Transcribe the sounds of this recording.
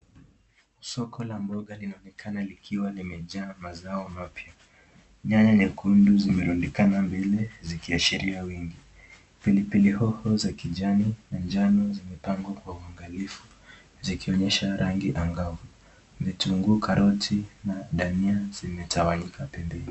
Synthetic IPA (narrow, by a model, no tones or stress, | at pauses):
sɔkʰɔlambɔɠalinaɔnɛkʰanalikʰiwalimɛʄaːmazaɔmapja | ɲaɲanikunduzimɛɾuɗikanambɛlɛzikiaʃiɾiawiŋɡi | pilipilihɔhɔzakiʄaninand͡ʒanɔzimɛpaŋɡwakwauaŋɡalifu | zikiɔɲɛʃaɾʔaŋɡiʔaŋɡavu | vituŋɡukʰaɾʔɔtʰinaɗaniazimɛtʰawaɲikʰapɛmbɛni